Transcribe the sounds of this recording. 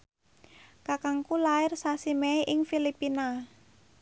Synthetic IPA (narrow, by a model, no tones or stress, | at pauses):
kakaŋkulaɪrsasimeʔɪŋfilipina